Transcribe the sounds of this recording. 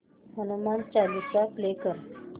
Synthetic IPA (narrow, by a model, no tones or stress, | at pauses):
ɦənumant͡ɕalit͡saplekəɾ